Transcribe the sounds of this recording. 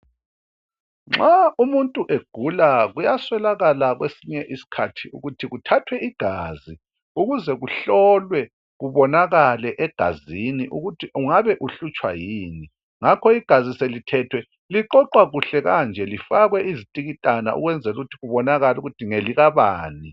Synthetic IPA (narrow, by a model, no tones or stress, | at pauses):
ŋ͡ǁaumuntʼuʔeɡ̥ʱulaɣujaswɛlaɣalaɣwesiɲɛʔisi̥kʰatʰiṵɣutʰiɣutʰatʰwɛiɡ̥ʱaːzi | uɣuzɛɣuɬɔlwɛ | ɣuβɔnaɣalɛʔɛɡ̥ʱa̰ziniʔuɣutʰiuŋaβɛʔuɬut͡ʃʼwa̰jiːni | ŋakʰɔiɡ̥ʱaziselitʰɛtʰwɛ | liǃɔǃwaɣuɬɛɣand͡ʒʱɛlifaɣwɛizitʼiɣitʼana̰ʔṵɣwɛnd͡zʱɛluɣutʰiɣuβɔnaɣaluɣutʰiŋeliɣaβaːni